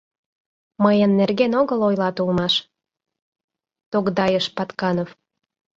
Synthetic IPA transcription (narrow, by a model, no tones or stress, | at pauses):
məjənːerɣenoɣəlojlɑt̪ulmɑʃ | t̪okd̪ɑjəʃpɑt̪kɑnof